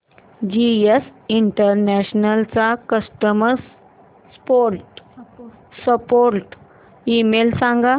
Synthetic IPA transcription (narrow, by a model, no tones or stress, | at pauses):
d͡ʑiesiɳʈəɾnɛɕnəlt͡sakəsʈəməɾs | spoɾʈ | səpoɾʈ | imelsãŋɡa